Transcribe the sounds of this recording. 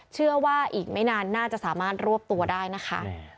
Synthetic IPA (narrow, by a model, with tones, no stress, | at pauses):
t͡ɕʰɯ˥˩əwaː˥˩ʔiː˨˩k̚ma˥˩jnaː˧nːaː˥˩t͡ɕa˨˩ʔsaː˩˦maː˥˩t̪̚ɾu˥˩əp̚t̪u˧ɐdaː˥˩jna˦˥kʰa̰˦˥